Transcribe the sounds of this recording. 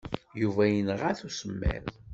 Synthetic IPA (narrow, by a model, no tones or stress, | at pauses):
juvæjənəʁæθusəmːæ̰ɾ